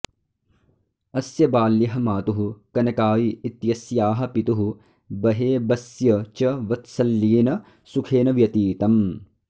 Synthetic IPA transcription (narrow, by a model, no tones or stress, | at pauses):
ɐsjɐbaːlːjɐɦɐmaːt̪uɦukɐnɐkaːjiːt̪jɐsjaːɦɐpit̪uɦu | bɐɦeːbɐsjɐt͡ʃɐʋɐt̪sɐlːiːnɐ | sukʰeːnɐʋjɐt̪iːt̪ɐm